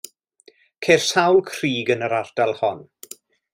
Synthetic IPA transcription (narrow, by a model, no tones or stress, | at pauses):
kʰersawlˠkʰriːɡənəɾard̥alˠhɔn